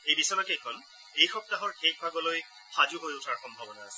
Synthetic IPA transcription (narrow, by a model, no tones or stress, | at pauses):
ejbisɔjɔkɛɛkʰɔn | ejxɔp̚taɦɔɹkʰex̚bʱaɡɔloj | xazuɦojʊtʰaɹxɔmbʱabɔnaːsɛ̥